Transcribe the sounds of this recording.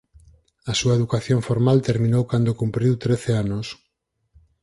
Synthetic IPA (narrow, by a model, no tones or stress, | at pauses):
ɐsuaeðukaθjoɱfoɾmalt̪eɾmĩnowkand̪okumpɾiwt̪ɾeθeanos